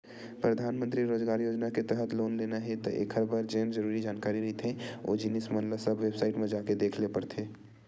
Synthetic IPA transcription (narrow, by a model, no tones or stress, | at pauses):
pɾəd̪ʱaːnmənt̪ɾiɾoːd͡ʒɡaːɾjoːd͡ʒnaket̪əɦət̪loːnleːnaɦɛt̪ɔʔḛkʰəɾbaɾd͡ʒeːmd͡ʒəɾuːɾid͡ʒaːnkaːɾiɾɐɦit̪ʰɦɛ̃o̰d͡ʒɪnismə̃nlasəbʋebsaːɪʈmẽd͡ʒaːked̪eːkʰlepəɾt̪ʰeː